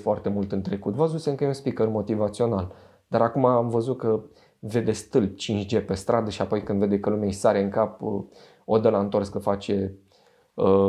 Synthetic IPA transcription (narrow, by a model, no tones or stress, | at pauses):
foart̪e̞mult̪ɨnt̪ɾe̞kut̪vəzut̪sʲeɨŋkəjeunspikərmo̞t̪ivat̪sio̞nal | d̪̥aɾakumaːmvəzut̪̚kə | ve̞d̪e̞st̪ɨlp̚t͡ʃint͡ʃd͡ʒe̞pe̞st̪ɾʔad̪əʃiapo̞jkɨnd̪ve̞d̪e̞kəlumeesaɾeɨŋkapə | od̪əlaɨnt̪o̞rskəfat͡ʃe̞ | ə